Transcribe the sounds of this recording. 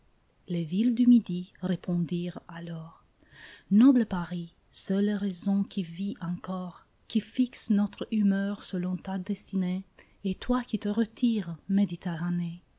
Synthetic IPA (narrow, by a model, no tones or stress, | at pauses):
levild̪ymid̪iʁepʰɔ̃d̪iːʁalɔːʁ | nɔbləpaʁi | sœlːeʁezɔ̃kʰʲiviʔɑ̃kɔːʁ | kʲifiksnɔt̪χymœʁsəlɔ̃t̪ad̪ɛst̪ine | et̪wakʲit̪əʁət̪ʰiʁmed̪it̪eʁane